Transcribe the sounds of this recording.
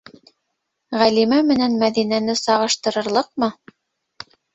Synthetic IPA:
ʁælimæmɘ̆nænmæðinænɘsɑʁɤ̆ʃt̪ɤ̆ɾɤ̆ɾlˠɤqmɤ

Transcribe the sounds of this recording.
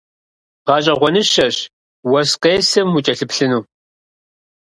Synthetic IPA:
ʁɑːɕʼɐʁʷɔnɨʃɐɕ | wɐsqeːsɐmut͡ʃʼɐɬɨpɬɨnuː

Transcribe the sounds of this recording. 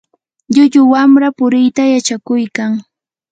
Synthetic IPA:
ʎʊʎʊwamɾapʊɾɪjt̪ajat͡ʃakʊjkaŋ

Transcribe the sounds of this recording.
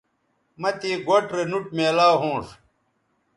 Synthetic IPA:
mɐt̪eːɡoʈɾenuʈ̚meːlaːɦõːʂ

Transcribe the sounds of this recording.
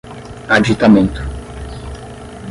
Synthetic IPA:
ad͡ʒit̪amẽnt̪ʊ̥

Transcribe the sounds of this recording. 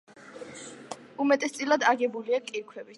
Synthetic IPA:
umɛt̪ʼɛst̪sʼilˠad̪aɡɛbuliakʼiɾkʰwɛvi

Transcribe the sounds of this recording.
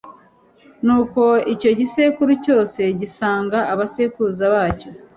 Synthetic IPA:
nuːko̞ico̞ɟise̞kuɾuco̞ːse̞ɟisaːŋɡaːβase̞ːkuuzaβaːco̞

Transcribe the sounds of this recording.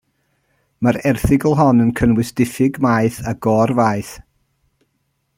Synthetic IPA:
maɾɛrθɪɡəlˠɦɔnənkʰənwɪsd̥ɪfɪɡmajθaɡɔːrvajθ

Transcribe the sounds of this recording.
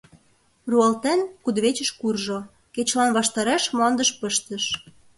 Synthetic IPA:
ruɑlt̪enkud̪βet͡ɕə̆ʃkurʒo | ket͡ɕlɑnβɑʃt̪ɑɾeʃmlɑnd̪əʃpəʃt̪əʃ

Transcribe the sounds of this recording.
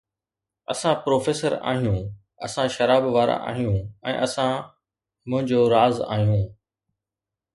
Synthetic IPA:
ɐ̰sãpɾoːfeːsəɾa̰ːɦijũː | ɐ̰sãʃɐɾaːbʋaːɾa̰ʔa̰ːɦijũɛ̰̃ːʔɐsã | mʊ̃ɦɪ̃ɲd͡ʑoɾaːza̰ːɦijũː

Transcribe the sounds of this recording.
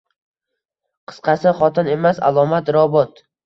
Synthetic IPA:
qʰɨ̥sqʰɑsɪχɒt̪ʰɪne̞masa̰lˠɒmat̪ɾɒbɒt̪

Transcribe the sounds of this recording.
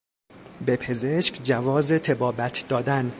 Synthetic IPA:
bepʰe̞zeʃkd͡ʒævɒːzet̪ʰebɒːbæt̪ʰd̪ɒːd̪æn

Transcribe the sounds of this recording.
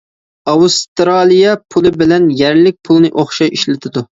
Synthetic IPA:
ɑwust̪ɾɑːlˠijɑpʰulˠɨbɪlɛnjɛɾlɪk̚ʲpʰulˠnɨʔoχʃɑʃiʃlɪt̪ʰɪd̪u

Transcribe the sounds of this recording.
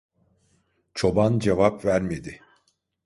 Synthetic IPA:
t͡ʃʰo̞band͡ʒevapvæɾme̞d̪ɪ

